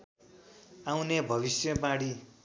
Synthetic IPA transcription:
awnebʱʌβisjʌbãɽi

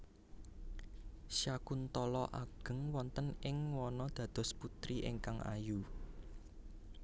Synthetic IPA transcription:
ʃjakunt̪ɔlɔʔaɡ̥ə̤ŋwɔnt̪ənɪŋwɔnɔd̪̥ä̤d̪̥ɔ̤sput̪ɾiʔɪŋkaŋʔa̰ju

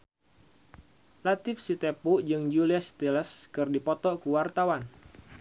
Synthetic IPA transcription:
lat̪ɪfsit̪epud͡ʒɨŋd͡ʒuliasi̥t̪ɛlɛskɨrdipɔt̪ɔkuwart̪awan

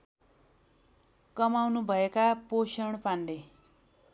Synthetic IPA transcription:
kʌmawnubʱʌekaposʌɳ̃panle

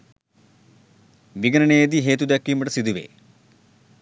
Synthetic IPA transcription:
ʋiɡɐnɐɳeːd̪iɦeːt̪ud̪ɐkːimɐʈɐsid̪uʋḛ

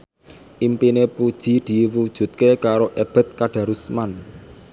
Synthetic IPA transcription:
ʔimpinepud̥ʒ̥i̤d̪̥i̤wud̥ʒ̥ṳt̪̚kekaɾoʔeb̥ɛ̤t̪̚kaɖ̥ä̤ɾusman

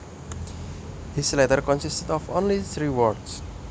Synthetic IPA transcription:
hislɛtəɾkɔ̃nsistədɔfõ̰nliθɹiwɔɾds

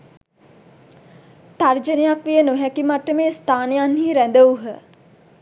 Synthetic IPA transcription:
t̪ard͡ʒənejakʋijənoɦɛkimaʈːəmeːst̪ʰaːnejanhiːɾænd̪əuɦə

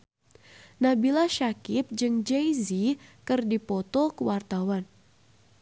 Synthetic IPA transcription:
nabilaʃakɪp̚d͡ʒɨŋd͡ʒejzikɨrdipɔt̪ɔkəwart̪awan

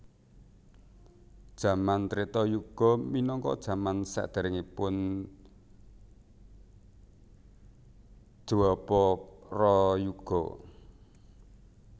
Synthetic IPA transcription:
d̥ʒ̥a̤mant̪ɾet̪ɔjuɡ̥ɔ̤minɔŋkɔ̰d̥ʒ̥ä̤mansa̰ʔd̪̥e̤ɾɪŋipʊn | ʒ̥uwɔpɔrɔjuɡ̥ɔ̰

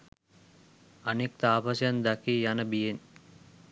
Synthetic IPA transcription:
ɐnek̚t̪aːpɐsjɐnd̪ɐkijanəbijen

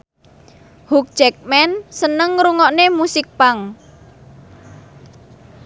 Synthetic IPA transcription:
huk̚d͡ʒɛk̚mɛnsənəŋɾuŋɔʔnemusɪk̚paŋ

